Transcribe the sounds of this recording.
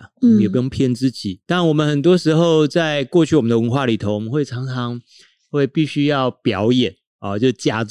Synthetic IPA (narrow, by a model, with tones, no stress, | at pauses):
m˦jo˨˩pu˥jo˥˩ŋpʰjɛ˥˧nt͡sɹ̩˥t͡ɕi˨˩˦t̪nwɔ˨mə˨nxə˨˩nt̪̬wɔ˥ʂɻ̩˧˥xo˥˧ʊt͡sa˥˧ɪkwɔ˥˧t͡ɕʰy˥˩wɔ˨˩ə˦nd̪ə˧wə˧˦˥nxwa˥˩li˨˩o˧˦ʊwɔ˨˩mə˦xwe˥˩ɪʈ͡ʂʰɑ˧˥ŋt͡sʰɑ˧˦ŋ | xwe˥˧ɪpi˥˩ɕy˥jɑ˥˩ʊpjɑ˧˥ʊjɛ˨˩˦n | ɔ˨t͡ɕjo˥˧ʊ˥˩t͡ɕja˥